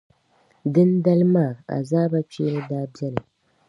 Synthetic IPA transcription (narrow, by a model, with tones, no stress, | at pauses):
dɨ˦nda˦lmaː˦˨a̰˨zaː˦ba˦t͡ʃe˦ɾɨ˦daː˦bjɛ˦lɨ˨